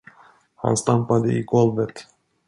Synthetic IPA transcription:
ha̰nst̪ampad̪əɪɡɔlvət̪

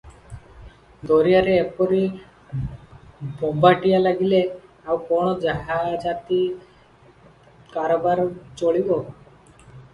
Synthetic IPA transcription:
d̪ɔɾijaɾeːpɔɾi | bɔmbʱaʈijalaɡile | awkɔɽ̃ɔd͡ʒaɦad͡ʒat̪i | kaɾobaɾt͡ʃoɭibo

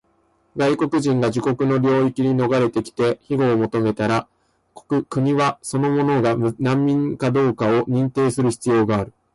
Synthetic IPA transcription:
ɡaiko̞kɯ̟ʑĩŋɡad͡ʑiko̞kɯ̟no̞ɾʲo̞ːikʲiɲ̟ino̞ɡaɾe̞t̪e̞kʲi̥t̪e̞çiɡo̞ːmo̞t̪o̞me̞t̪aɾa | ko̥kɯkɯ̟ɲ̟iβaso̞no̞mo̞no̞ɡanãmːʲĩŋkad̪o̞ːkao̞ɲ̟ĩnt̪e̞ːsɨɾɯ̟çi̥t͡sɨjo̞ːɡaːɾɯ̟

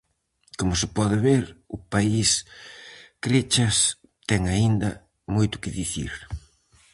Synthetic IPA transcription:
komʊsɪpɔðɪβeɾʊpais | kɾet͡ʃɐs | t̪ɛŋaind̪ɐ | mojt̪ʊ̥kɪðiθḭɾ

